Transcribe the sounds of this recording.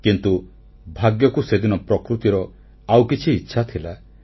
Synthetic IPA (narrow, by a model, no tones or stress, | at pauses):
kint̪u | bʱaɡjɔkused̪inɔpɾɔkɾut̪iɾɔ | awkit͡ʃʰiːtːʃʰat̪ʰila